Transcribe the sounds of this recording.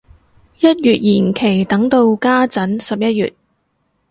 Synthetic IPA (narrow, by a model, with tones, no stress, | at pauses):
jɐ˥t̚jyː˨t̚jiː˨˩nkʰe˨˩jt̪ɐ˨˥ŋt̪o˧wkaː˥t͡sɐ˨˥nsɐ˨p̚jɐ˥t̚jy̰ː˨t̚